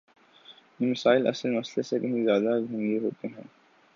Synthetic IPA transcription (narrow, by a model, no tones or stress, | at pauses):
jimɪsaːɪlɐ̰səlmɐslesekɐɦĩzjaːd̪aɡʱɐ̃ŋɡeɦoːt̪eɦɛ̃ː